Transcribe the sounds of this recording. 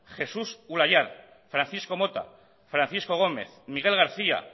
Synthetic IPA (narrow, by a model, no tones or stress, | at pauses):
χe̞susulajað | fɾanθisko̞mo̞t̪a̰ | fɾanθisko̞ɣ̞o̞me̞̰θmiɣe̞lɣ̞aɾθia̰